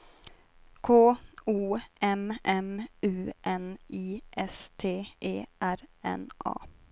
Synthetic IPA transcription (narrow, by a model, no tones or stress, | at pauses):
kʰoːuːʔɛmʔɛmʉːʔɛniːʔɛst̪ʰeːʔeːʔæɾɛ̰nʔɑ̰ː